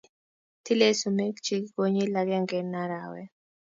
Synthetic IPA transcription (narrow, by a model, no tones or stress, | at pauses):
t̪ʰilesumekt͡ʃikoɲilaɡjaŋɡɛnaɾawɛ